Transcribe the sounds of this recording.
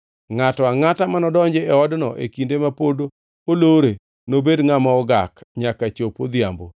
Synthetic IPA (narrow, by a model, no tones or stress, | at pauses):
ŋatɔaŋatamanɔdɔɲd͡ʒeɛɔdnɔʔḛkindemapodo | oloɾe | nobedŋamɔɔɡakɲakat͡ʃopod̪ja̰mbo̰